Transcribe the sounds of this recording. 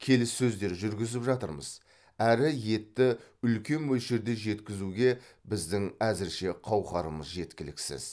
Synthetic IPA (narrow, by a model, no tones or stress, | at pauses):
kʲʰe̞lɪsːɵzd̪e̞ɾʒʏɾɡʲɪzɪpʒɑt̪ə̰ɾmə̰z | æɾɪje̞t̪ːɪʏlkʲe̞nwɵlʃeɾd̪e̞ʒe̞t̪kʲɪzuɡʲe̞bɪzd̪ɪŋæzɪɾʃe̞qʰɑwqɑɾəməzʒe̞t̪kʲɪlɪksɪ̰z̥